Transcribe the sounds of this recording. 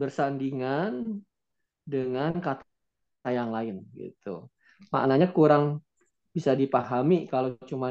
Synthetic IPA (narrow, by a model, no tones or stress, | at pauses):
bərsandiŋan | dəŋankat̪ | ajaŋlaɪnɡḭt̪u | ma̰ʔnaɲakuɾaŋ | bisadipaɦamikalat͡ʃuma